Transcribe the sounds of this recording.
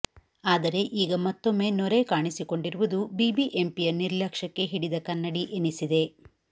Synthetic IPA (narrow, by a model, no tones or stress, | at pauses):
aːd̪ɐɾe̞ʔiːɡɐmɐt̪ːo̞mːe̞ːnɔɾekaːɳisiko̞ɳɖiɾuʋud̪ubibiʔe̞mpijɐniɾlɐkʂɐkːe̞ɦiɽid̪ɐkɐnːɐɽiʔenisid̪e̞